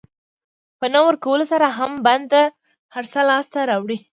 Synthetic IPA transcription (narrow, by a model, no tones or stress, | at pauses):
pənawəɾkawəlosaɾaɦamband̪̚t̪a | haɾsalɑst̪aɾɑwɽi